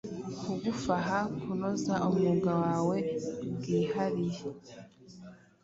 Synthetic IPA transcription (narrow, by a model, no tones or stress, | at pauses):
kuɡufaɦakunozaʔomuɡawaːwe̞bɡiːhaɾije